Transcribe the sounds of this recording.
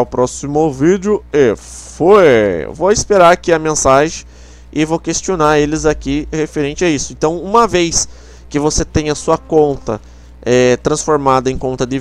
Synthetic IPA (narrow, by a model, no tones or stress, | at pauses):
ʊpɾɔsimʊvid͡ʒɪʊe | foj̰vowɪspeɾaɾakiɐmẽsaʒẽj̃ | ɪvowkest͡ʃionaɾelɪzakihefeɾẽnt͡ʃɪaisʊẽnt̪ɐ̃w̃ũmɐvejs | kɪvoset̪ẽj̃ɐsuɐkõnt̪ɐ̰ | ɛt̪ɾɐ̃sfoɾmad̪ɐẽkõnt̪ɐd̪ɪ